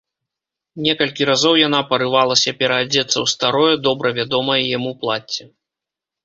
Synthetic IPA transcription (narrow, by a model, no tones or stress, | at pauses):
nʲɛkɐlʲkʲiɾazɔwjan̪apɐɾɨvalˠɐsʲɐpʲɛɾɐːd͡zʲɛt̪sːɐwst̪aɾɔjɐd̪ɔbɾɐvʲad̪ɔmɐjɛjamuplˠat͡sʲːɛ